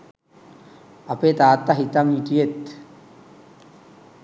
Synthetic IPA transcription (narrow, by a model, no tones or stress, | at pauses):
apet̪aːt̪ːaɦit̪amit̪ijet̪